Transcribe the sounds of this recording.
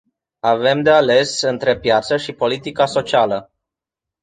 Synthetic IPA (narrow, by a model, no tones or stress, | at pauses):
ave̞md̪e̞ale̞sɨnt̪ɾe̞pjat̪səʃipo̞lit̪ikaso̞t͡ʃialə